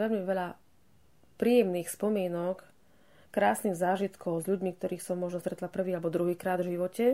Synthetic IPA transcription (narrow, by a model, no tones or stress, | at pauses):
ɛɲɛʋɛʎa | pɾiːjɛmniːxspɔmɪɛnɔk | kɾaːsniːɣzaːʒit̪kɔʊzʎuɟmiːk̚t̪ɔɾiːxsɔmːɔʒnɔst̪ɾɛt̪lapr̩ʋiːalbɔd̪ɾuɦiːkɾaːd̪vʒiʋɔcɛ